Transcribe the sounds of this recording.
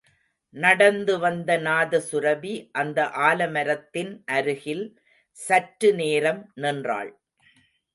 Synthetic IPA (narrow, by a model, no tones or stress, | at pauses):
nɐɽɐnd̪ɯʋɐnd̪ɐnaːðɐsʊɾɐbiʔɐnd̪ɐʔaːlɐmɐɾɐt̪ːɪnʔɐɾɯɣɪl | sɐʈɾɯneːɾɐmnɪndra̰ːɭ